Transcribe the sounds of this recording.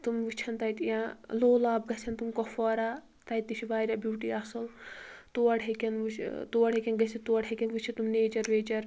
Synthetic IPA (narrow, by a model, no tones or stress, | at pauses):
t̪umʋut͡ʃʰɐnt̪ɐjt̪ijãloːlaːb̚ɡɐsʰɐnt̪umkɔfɔːɾa | t̪ɐjt̪ːit͡ʃʰiʋaːɾʲɐbjuːʈiasɐlt̪uwɐɽɐkʲɐnʋut͡ʃʰt̪uːɐɽekʲɐnɡɐsʰit̪uɐɽʰɐkʲɐnʋut͡ʃʰit̪umneːd͡ʒɐɾʋeːt͡ʃɐɾ